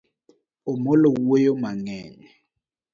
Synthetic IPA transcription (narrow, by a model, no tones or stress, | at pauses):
omɔlɔwɛjɔmaŋɛːɲɛ